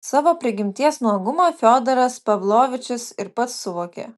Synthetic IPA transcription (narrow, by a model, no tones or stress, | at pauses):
sɑːʋoːpʲɾʲɪɡʲɪmʲt̪ʲiɛsnuɔɡʊmoːfʲoːd̪ɐɾɐspɐʋlˠoːʋʲɪt͡ʃʲɪsɪɾpɐt̪sːʊʋoːkʲḛː